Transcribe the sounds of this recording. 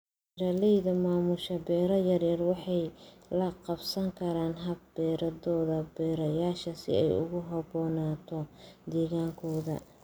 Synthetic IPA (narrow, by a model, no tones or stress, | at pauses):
ɪɾalɛjðɐmaːmʊʃɐbɛːɾɐjɐrjɐrwɑħɑjlɐqɑbsɐŋkʰɐɾaːnɦɐbbɛːɾɐðɔːðɐbɛːɾɐjaːʃɐsɪ̰ɛ̰jʊ̰ɣʊɦɐbɔːnaːt̪ʰɔd̪ɛːɣaːŋkʰɔːðɐ̰